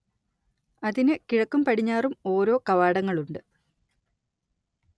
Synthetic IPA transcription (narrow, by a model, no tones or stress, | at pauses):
ɐðinɨkiɻɐkːumpɐɽiɲːaːrumo̞ːɾo̞ːkɐʋaːɽɐŋːɐɭuɳɖɨ